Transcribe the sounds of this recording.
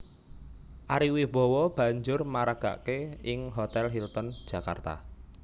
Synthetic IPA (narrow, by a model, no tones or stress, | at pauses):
ʔaɾiwib̥ɔ̤wɔb̥ä̤ɲd͡ʒʊrmaɾaɡ̥a̤̰ʔkeɪŋɦot̪ɛlɦilt̪ɔnd̥ʒ̥ä̤ka̰rt̪a̰